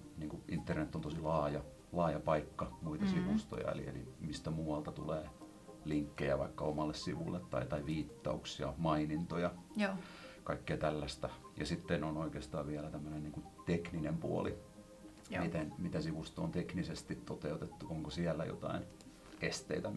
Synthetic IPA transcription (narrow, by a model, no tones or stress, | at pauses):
niːŋkuʔint̪ːernet̪ːont̪osilɑːjɑ | lɑːjɑpɑikːɑmuit̪ɑsiʋust̪o̰jɑ̰ḛlḭḛlḭmist̪æmuːɑlt̪ɑt̪uleː | liŋkːejæʋɑ̰ikːɑomɑlːessiʋṵlːet̪t̪ɑ̰it̪ɑiʋiːt̪ːɑ̰uksiɑ̰mɑinint̪ojɑ | kɑikːeːt̪ælːæst̪æjɑ̰sit̪ːenonoikeːst̪ɑ̰ːʋʋiælæt̪æmːønenniːŋkut̪ekninempuo̰li | mit̪enmit̪æsiʋust̪o̰ont̪eknisest̪it̪t̪ot̪eut̪et̪ːuoŋkosiælːæ̰jo̰t̪ɑ̰in | est̪ḛit̪æ